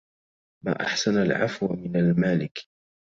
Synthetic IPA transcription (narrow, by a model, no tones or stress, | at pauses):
ma̰ːʔa̰ħsanalʕa̰fwmɪnalmaːlɪk